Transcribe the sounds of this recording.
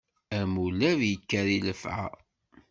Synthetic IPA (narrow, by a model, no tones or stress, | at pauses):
æmulæðjəkːæɾiləfʕa̰